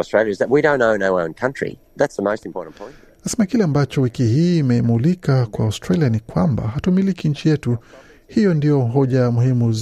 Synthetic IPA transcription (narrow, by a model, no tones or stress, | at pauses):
stɹeɪljɨzðət̚wiɾõʊ̃nõʊ̃noʊõʊ̃nkʰʌ̃nt͡ʃɹ̥ḭ | ðætsðəmoʊstmpʰɔɹʔn̩pʰɔ̃ɪ̃n | nasɛmakilɛambat͡ʃɔwikihiːmɛimulikakwaʊstɾalianikwamba̰ɦatumilikiɲ̩t͡ʃijɛtu | hijɔndijɔɦɔʄamuhimu